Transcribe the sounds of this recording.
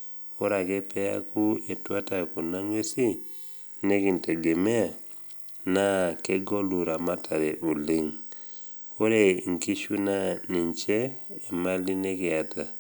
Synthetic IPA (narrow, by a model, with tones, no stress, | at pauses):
o˦ɾa˨ke˦pɛ˦a̰˦ku˦e˨twa˦ta˨ku˨na˦ŋwe˦si˦ | ne˦ki˨nte˨ɡe˨me˦a˨ | na˦ke˦ɡo˦lu˨ɾa˨ma˦tʰa˨ɾe˨ʔu˨li˦ŋ | o˦ɾe˨ŋ˨ki˦ʃu˦na˦ni˨ɲt͡ʃeː˦˨ma˦li˦ne˦ki˨a˨ta˨